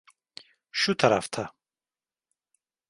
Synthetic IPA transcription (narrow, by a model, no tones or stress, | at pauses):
ʃut̪ʰɐɾa̰ft̪ʰa